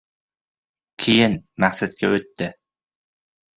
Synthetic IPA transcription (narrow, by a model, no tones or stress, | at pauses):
kʲʰijɪnmæχsæt̪̚kʲʰɛɵt̪ːɪ